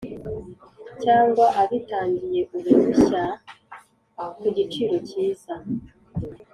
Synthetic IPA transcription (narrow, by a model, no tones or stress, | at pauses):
caːŋɡwaʔaβitaːɲɟije̞kuβusiɕa | kuɟit͡ʃiːɾo̞ciːz̥a